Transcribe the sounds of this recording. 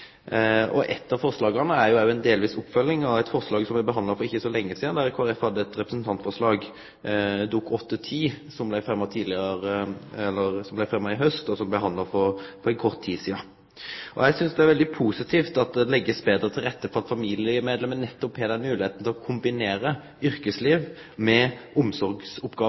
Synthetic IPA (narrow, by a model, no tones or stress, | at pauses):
ɔ̰ʔɛ̰t̪ːɑfɔʁslɑːɡɑnəæɾjʊæjʊɛnd̪eːlʋiːsʊpːfœlːɪŋɑʋæɪt̪fɔʁslɑːɡsɔmɪbəɦɑnd̪lɑfɔɾɪçːəsɔlɛŋːəsiːd̪ɑnd̪æɾɪkʰoːɑɾɛfhɑd̪ːəɛt̪ɾɛpɾəsn̩t̪ʰɑnt̪fɔʁʂlɑːɡ | d̪uːkʰɔt̪ːət̪ʰiːsɔmblæɪfɾɛmːət̪ʰiːd̪lɪɾəɛlːəɾsɔmblæɪfɾɛmːəɪɦœst̪ɔsɔmbləɦɑnd̪lɑfɔɾpɔɾɛnkʰɔʁt̪ʰːiːsiːɑ | ʔɔ̰jɛɪsʏnsd̪ɛæɾʋɛld̪ɪpʰuːsɪt̪ʰiːft̪ɑt̪̚d̪ɛlɛɡːəsbeːd̪əɾət̪ʰɪlɾɛt̪ːəfɔɾɑt̪fɑmiːlɪəmeːd̪lɛmːənnːɛt̪ːɔphɛd̪ɛnmʉːlɪheːt̪n̩t̪ʰɪlɔkʰʊmbɪneːɾə | ʏɾkəsliːʋ | mɛʔʊmsɔɾɡsʊpɡ̥ɑː